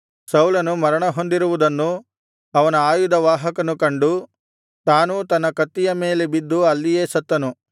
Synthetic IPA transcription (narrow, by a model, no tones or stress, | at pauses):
sɐwlɐnumɐɾɐɳɐɦo̞nd̪iɾuʋud̪ɐnːu | ɐʋɐnɐaːjud̪ɐʋaːɦɐkɐnukɐɳɖu | t̪aːnut̪ɐnːɐkɐt̪ːijɐme̞ːle̞bid̪ːuɐlːije̞ːsɐt̪ːɐnu